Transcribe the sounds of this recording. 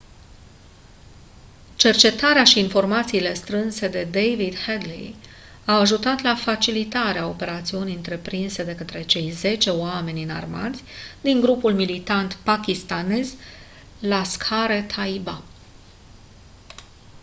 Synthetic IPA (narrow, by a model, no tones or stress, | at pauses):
t͡ʃe̞rt͡ʃe̞t̪aɾeaʃiːnfo̞rmat̪siːle̞st̪ɾɨnse̞d̪e̞d̪ejvid̪hed̪lḭ | awaʒut̪at̪lafat͡ʃilit̪aɾeao̞pe̞ɾat̪siuniɨnt̪ɾe̞pɾinse̞d̪e̞kət̪ɾe̞t͡ʃe̞jze̞t͡ʃe̞oame̞nʲɨna̰rma̰t̪sʲd̪iŋɡɾupulmilit̪ant̪pakʲist̪ane̞z | laskʰaɾe̞t̪ʰaiba